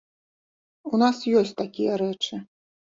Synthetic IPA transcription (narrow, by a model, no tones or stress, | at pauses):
unasjɔsʲt͡sʲt̪akʲijɐɾɛt͡ʂɨ